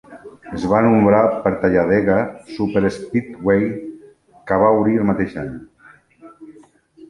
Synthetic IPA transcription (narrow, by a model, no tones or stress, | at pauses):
əzβanumbɾapəɾt̪aʎaðeɣasupəɾespit̪wej | kaβ̞auβɾiəlˠmat̪eʃaɲ